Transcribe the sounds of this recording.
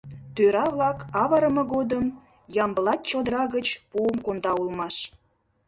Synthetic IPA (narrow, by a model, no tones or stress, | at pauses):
t̪øɾɑβlɑkɑβɑɾəmə̆ɣod̪əm | jɑmbəlɑt̪̚t͡ɕod̪əɾɑɣət͡ɕpuəmkond̪ɑulmɑʃ